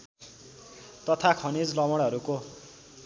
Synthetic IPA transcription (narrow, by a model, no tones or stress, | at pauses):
t̪ʌt̪ʰakʰʌnid͡zlʌmʌɽ̃ɦʌɾuko